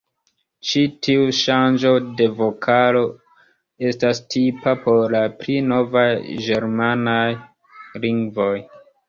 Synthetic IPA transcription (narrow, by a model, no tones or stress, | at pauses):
t͡ʃitʰiuʃand͡ʒo̞de̞vo̞kʰalo̞ | e̞stastʰipapo̞ɾlaplino̞vajd͡ʒe̞ɾmanaj | liŋɡvo̞j